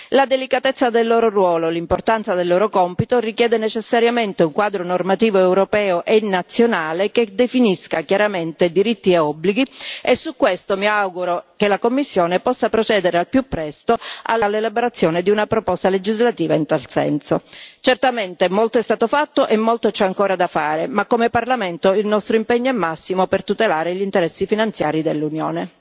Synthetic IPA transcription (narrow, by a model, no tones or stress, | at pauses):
lad̪elikat̪et̪sːad̪elːoːɾorwɔːlolimport̪ant̪sad̪elːoːɾokɔmpit̪orikjɛːd̪enet͡ʃesːaɾjament̪euŋkwaːd̪ɾonormat̪iːvoɛwɾopɛːoʔenat̪sːjonaːleked̪efiniskakjaɾament̪ed̪iɾit̪ːieɔbːliɡiesːukːwest̪omiawɡuɾokelakomːisːjoːnepɔsːapɾot͡ʃɛːd̪eɾealpjupːɾɛst̪oa̰lalːelaboɾat̪sːjoːned̪iunapɾopɔst̪aled͡ʒizlat̪iːvaint̪alsɛ̰nsot͡ʃert̪ament̪emolt̪oɛst̪aːt̪ofat̪ːoʔemːolt̪ot͡ʃɛaŋkoːɾad̪afaːɾemakːomeparlament̪oilnɔst̪ɾoimpɛɲːoɛmːasːimopert̪ut̪elaːɾeʎint̪eɾɛsːifinant̪sjaːɾid̪elːunjo̰ːne